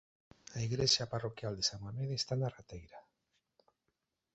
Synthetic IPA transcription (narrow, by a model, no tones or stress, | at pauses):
aiɣɾeʃjaparokjald̪esamameðeest̪anarat̪ejɾa